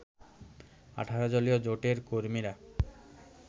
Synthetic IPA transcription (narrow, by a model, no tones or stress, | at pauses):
a̰ʈʰaɾod͡ʑolijod͡ʑoʈeɾkoɾmiɾa